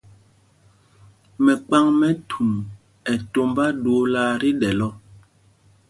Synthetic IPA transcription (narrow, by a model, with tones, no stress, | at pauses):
mɛ˨k͡pa˦ŋmɛ˦tʰu˨m | ɛ˨to˦mba˦do˨˦la˦ɾi˦dɛ˨lɔ˦